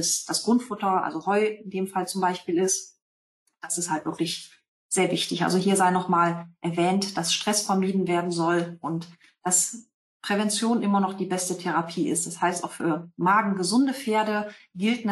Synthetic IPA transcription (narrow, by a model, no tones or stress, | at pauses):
ɪsd̥asɡ̥ʁʊntfʊtɐʔa̰lzohɔʏɪndeːmfalt͡sʊmbaɪʃpiːlɪst | d̥asɪsthaltv̥ɪɐklɪç | z̥eːɐvɪçtɪçʔa̰lzoɦiːɐzaɪnɔχmaːlʔɛɐvɛːntd̥asʃtʁ̥ɛsfɛɐmiːdn̩veːɐdn̩zɔlʔʊnt | d̥as | pʁ̥ɛvɛnt͡sjoːnʔɪmɐnɔχd̥iːbɛstətʰɛʁ̞apʰiːʔɪ̰st̚d̥ashaɪsta̰ʊfy̰ːɐmaːɡŋ̩ɡəzʊndəfeːɐdəɡɪltn